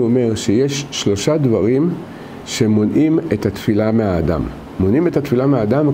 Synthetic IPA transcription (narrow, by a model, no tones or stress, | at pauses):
ome̞ʁʃejeʃːlo̞ʃad̪vaʁim | ʃe̞mo̞nʔimet̪at̪filameɦaːda̰mː | o̞nimetat̪filameaːdam